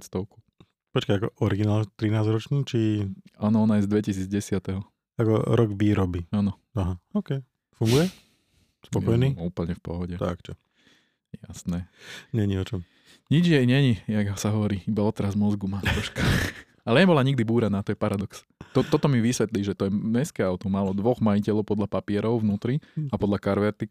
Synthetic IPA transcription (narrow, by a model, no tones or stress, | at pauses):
st̪ɔʊku̥ | pɔt͡ʃkaakɔʔɔɾiɡinaːlt̪ɾinaːzɾɔt͡ʃniːt͡ʃiaːnɔɔnajɛzd̪ʋɛcisiːd͡zɟɛsɪat̪ɛɦɔ | akɔ̰ɾɔɡʋiːɾɔbiaːnɔ | aɦaɔːkɛ | fuŋɡujɛ | spɔɔjniːuːpl̩ɲɛfpɔ̰ɦɔɟɛt̪a̰kt͡ʃɔ | ɛjasnɛːɲɛɲiɔt͡ʃɔm | ɲid͡ʒjɛjɲɛɲijaɡsaɦɔʋɔɾiːibaɔt̪ɛɾazmɔzɡumat̪ɾɔʃka | alɛɲɛbɔlaɲiɡd̪ibuːɾanaːt̪ɔjɛpaɾad̪ɔks | t̪ɔt̪ɔt̪ɔmiʋisʋɛt̪liːʒɛt̪ɔjɛmɛskɛaʊt̪ɔmaːlɔd̪ʋɔɣmajicɛlɔʊpɔd̪ʎapapɪɛɾɔʊʋnuːt̪ɾiapɔd̪lakaɾʋɛɾt̪i